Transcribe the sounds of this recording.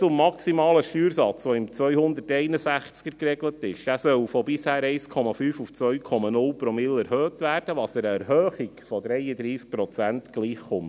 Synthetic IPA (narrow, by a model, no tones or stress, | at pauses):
ʊmːɑksimɑːləʃtyːɾsɑt͡sʋɔɪmt͡sʋœɥhʊnd̪ətɛɪnəsæχt͡skəɾkɾɛɡlətɪʃæsœwfɔbɪshæːɾɛɪskʰɔmɑfyːfuft͡sʋœɥkʰɔmɑnʊlpɾɔmɪlɛɾhøːtʋæːrd̥əʋɑsɛɾəɛɾhøːχikfɔdɾɛjədɾiːsk̚pɾɔt͡sæntɡ̥liːχːʊm